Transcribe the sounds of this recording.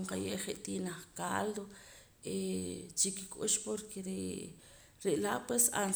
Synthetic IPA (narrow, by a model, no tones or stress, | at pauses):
ɴqajeʔχeʔt̪inaχkald̪o | et͡ʃikikʼuʃpoɾkʰeɾe | ɾeʔlaʔpwesa̰n